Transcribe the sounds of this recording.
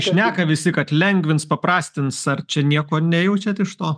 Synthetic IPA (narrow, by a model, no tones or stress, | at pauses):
ʃʲnʲæːkɐʋʲɪsʲɪkɐt̪lʲɛŋʲɡʲʋʲɪnspɐpɾɑːsʲt̪ʲɪnsɐrt͡ʃʲɛnʲiɛkoːnʲɛjɛʊt͡ʃʲɛt̪ɪʃt̪oː